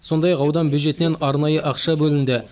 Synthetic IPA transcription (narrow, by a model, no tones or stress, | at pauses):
so̞nd̪ɑjɑqɑwd̪ɑnbʲjud̪ʒe̞t̪ɪne̞nɑɾnɑjəʔɑqʃɑbɵlɪnd̪ɪ